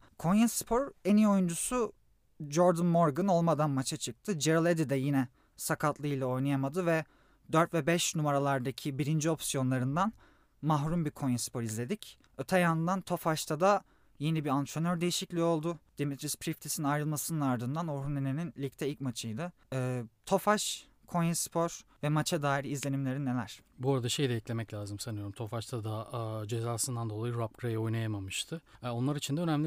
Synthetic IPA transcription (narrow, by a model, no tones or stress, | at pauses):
kʰo̞njaspʰo̞ɾenijo̞jund͡ʒusu | d͡ʒoɾd̪ɯnmoɾɡɯno̞lˠmad̪anmat͡ʃʰat͡ʃʰɯk̚t̪ʰɯd͡ʒeɾɯlˠed̪id̪ɛjinɛ | sakʰat̪lˠɯilˠao̞jnajamad̪ɯvɛ | d̪øɾt̪vɛbɛʃnumaɾalˠaɾd̪acʰibiɾind͡ʒio̞psijo̞nlˠaɾɯnd̪an | maɦɾumbikʰo̞njaspʰo̞ɾizlʲe̞d̪ic | øt̪ʰɛjand̪ant̪ʰo̞faʃt̪ʰad̪a | je̞nibiɾant̪ʰɾonøɾd̪e̞jiʃiclʲio̞lˠd̪ʊd̪̥imit̪ɾispɾift̪ʰisinajɾɯlˠmasɯnɯnaɾd̪ɯnd̪anoɾuneneninlʲic̚t̪ʰɛilʲcmat͡ʃʰɯjd̪ɯː | t̪ʰo̞faʃ | kʰo̞jɛspʰo̞ɾ̥vɛmat͡ʃʰad̪aːiɾiːzlʲe̞nimlʲe̞ɾinːe̞lʲæɾ̥buaɾad̪aʃe̞jd̪ʲɛɛclʲe̞mɛclʲaːzɯmsanɯjo̞ɾumt̪ʰo̞faʃt̪ʰad̪ad͡ʒe̞zaːsɯnd̪and̪o̞lˠajɯɾap̚kɾajɛo̞jnajamamɯʃt̪ʰɯo̞nlˠaɾit͡ʃʰind̪ɛø̞næmlʲi